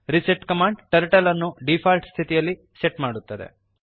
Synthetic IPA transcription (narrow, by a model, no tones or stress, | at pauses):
ɾiseʈkɐmaːɳɖʈɐɾʈɐlɐnːuɖipʰaːlʈst̪ʰit̪ijɐlːi | seʈmaːɽut̪ːɐd̪e̞̰